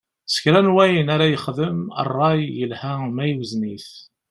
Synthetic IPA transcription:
sə̥kɾænwæjənaɾajəχðəmə̰rˤːɑjjəlhæmæjəwəzniθ

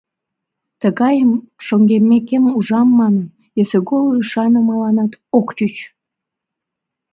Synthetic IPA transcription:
t̪əɣɑjəmʃoŋɡemːekemuʒɑmːɑnən | jeseɣolˠoyʃɑnəmɑlɑnɑt̪okt͡ɕyt͡ɕ

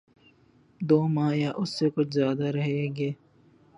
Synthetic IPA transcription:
d̪oːmaːjaʔʊsːekʊt͡ʃʰzjaːd̪aɾɐɦeːɡeː

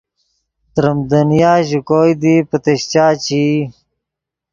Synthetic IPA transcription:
t̪ɾəmd̪ənjaːʑukoːjd̪ipət̪eɕt͡ɕaːt͡ɕi

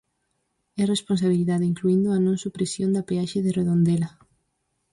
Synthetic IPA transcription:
ɛresponsaβ̞iliðaðɪiŋkluind̪ʊɐnõŋsupɾesjond̪ɐpeaʃeðɪreðond̪elɐ

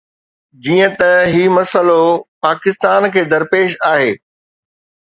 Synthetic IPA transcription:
d͡ʑiːə̃t̪ɐɦiːmɐsəlopaːkɪst̪aːnkʰeːd̪ɐɾpeːʃaːɦeː

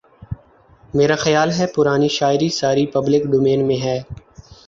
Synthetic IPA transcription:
meːɾaxəjaːlɦɛːpʊɾaːniʃaːɪɾisaːɾipəblɪkɖoːmẽːnmẽɦɛː

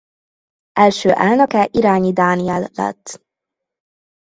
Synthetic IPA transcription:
ʔɛlʃøːʔaːlnɤkɛʔiɾaːɲid̪aːniɛlːɛ̰t̪ː

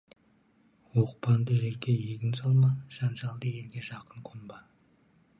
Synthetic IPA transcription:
woq̚pɑnd̪əʒe̞ɾɡʲe̞jeɡʲɪnsɑlˠmɑʒ̥ɑnʒɑlˠd̪əje̞lɡʲe̞ʒɑqəɴqʰombɑ

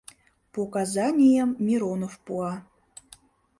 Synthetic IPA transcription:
pokazanʲijəmːʲiɾonofpuɑ

